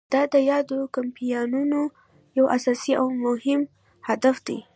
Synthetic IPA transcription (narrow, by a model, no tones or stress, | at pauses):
d̪̥ɑd̪əjɑd̪okampijɑnuno | jawʔasɑsiʔawmʊhɪm | had̪afd̪e